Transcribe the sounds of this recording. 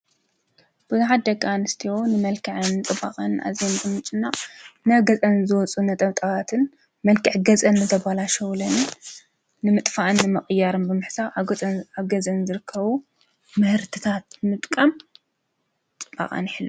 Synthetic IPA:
b̥ɨzuħat̪̚d̪ɐɡʼanɨst̪ʰionɨmɐlkʰɨʕɨnːt͡s̪ʼɨba̰qʼɐnːʔa̰zenbɨmɨt͡ʃʼɨnːanɐβɡɐt͡sʼɐnzɨwɔt͡sʼunɐt̪ʼɐβt̪ʼaβat̪ʰɨn | mɐlkʰɨʕɡɐt͡sʼɐnːɨzɐbalaʃɐwlɐnː | ɨmɨt̪ʼfaʔɨnːɨmɨχʼɨjːaɾɨnbɨmɨħsaaβɡɐzɐnzɨɾɨkʰːɐβu | mɨhɨɾt̪ʰɨt̪ʰat̪̚ɨmɨt̪ʼkʼam | t͡sʼɨba̰qʼa̰nħilːu

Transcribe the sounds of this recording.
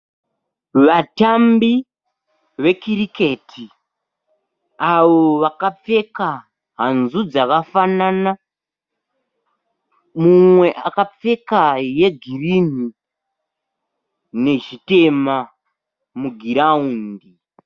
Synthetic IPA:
ʋatambi | ʋe̞kiɾike̞tʰi | aʋo̞ʋakap͡fe̞ka | ɦanzud͡zakafanana | mumwe̞ʔakap͡fe̞kaje̞ɡʱirin̤i | ne̞ʒite̞ma | muɡʱiɾauːndi

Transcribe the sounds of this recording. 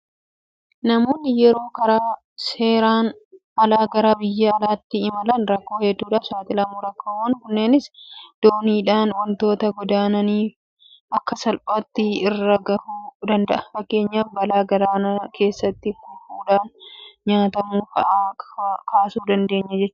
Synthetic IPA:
nɐmoːnːɪjɛɾo̞ːkɐɾaː | se̞ːɾaːn | ʔɐlaːɡɐɾabɪjːɐːlaːt̪ːɪɪmɐlɐnɾɐkːo̞ːhɛd̪ːuːᶑaːfsaːt̪ɪlɐmuːɾɐkːoːwɐŋkʊnːeːnɪsd̪̥oːniːᶑaːnwɐnt̪o̞ːt̪ɐɡɔd̪aːnɐniːf | ʔɐkːɐsɐlpʼaːt̪ːɪɪrːɐɡɐhuːd̪ɐnd̪ɐʔɐfɐkːe̞ːɲːaːfbɐlaːɡɐɾaːnɐkʰe̞ːsːɐt̪ːɪbuːfuːᶑaːnɲaːt̪ɐmuːkɐʔaːkʰaːsuːd̪ɐnd̪e̞ːɲːɐd͡ʒɛt͡ʃːʊ

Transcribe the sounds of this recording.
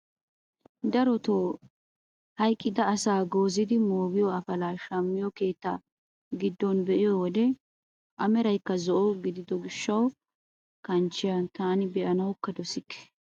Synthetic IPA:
d̪ɐɾɔt̪oː | hɐjkʼːɪd̪ɐːsaːɡo̞ːzɪd̪ɪmoːɡɪjɔɐfɐlaːʃɐmːɪjɔke̞ːt̪ːa̰ | ɡɪd̪ːɔnbɛʔɪjɔwɔd̪ɛ | ʔɐmɛɾɐjkːɐzɔʔɔɡɪd̪ɪd̪ɔɡɪʃːɐw | kɐnt͡ʃːɪjɐt̪aːnɪbɛʔɐnɐwkːɐd̪ɔsɪkːɛ̥

